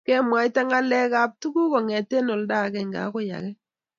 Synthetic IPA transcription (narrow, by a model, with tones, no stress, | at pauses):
kɛ˦mwa˨˦jta˦ŋa˦lɛ˦ka˦p̚tu˦ɡu˦kɔ˨ŋɛ˨te˦no˨lda˦˨kɛ˨ŋɡa̰˨˦ko˦ja̰˨kɛ˦